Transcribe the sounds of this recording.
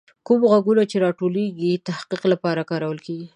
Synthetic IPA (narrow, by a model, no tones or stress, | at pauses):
kumɣaɡunat͡ʃeɾɑʈoleɡit̪ahqiqlapɑɾakɑɾawəlkeɡi